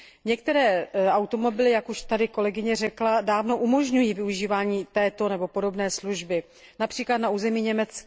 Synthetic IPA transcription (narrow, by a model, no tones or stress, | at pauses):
ɲɛkt̪ɛɾɛːʔawt̪o̞mo̞bɪlɪjakuʃt̪adɪko̞lɛɡɪɲɛrɛkladaːvno̞ʔumo̞ʒɲujiːvɪuʒiːvaːɲiːt̪ɛːt̪o̞nɛbo̞po̞do̞bnɛːsluʒbɪ | napr̥iːklat̪nauːzɛmiːɲɛmɛt͡skː